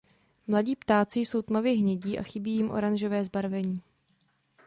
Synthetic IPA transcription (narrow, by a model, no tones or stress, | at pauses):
mlaɟiːpt̪aːt͡sɪso̞wt̪mavɪɦɲɛɟiːʔa̰xɪbiːjɪmʔo̞̰ɾanʒo̞vɛːzbaɾvɛɲiː